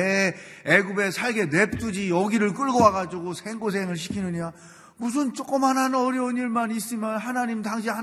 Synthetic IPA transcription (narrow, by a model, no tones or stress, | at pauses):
eeɡube̞sʰaɭɡe̞ne̞p̚t͈ud͡ʑijʌɡiɾɯɭk͈ɯɭɡʌwaɡad͡ʑuɡosʰeŋɡos̬ʰeŋɯɭɕ̬ʰi̥kʰinɯɲa | mus̬ʰɯnt͡ɕ͈ok͈ɯmɦanɦanʌɾiʌniɭmanis͈ɯmjʌnɦanaɲimtaŋɕ̬ʰiɦa